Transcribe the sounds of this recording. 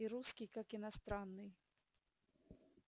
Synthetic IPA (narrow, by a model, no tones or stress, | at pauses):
iɾuskʲijkakɪnɐst̪ɾanːɨj